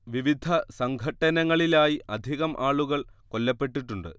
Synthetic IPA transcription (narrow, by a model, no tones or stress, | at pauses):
ʋiʋid̪ʱʰɐsɐŋɡʱɐʈːɐnɐŋːɐɭilaːjiʔɐd̪ʱiɣɐmʔaːɭuɣɐɭko̞lːɐpːe̞ʈːiʈːuɳɖɨ̰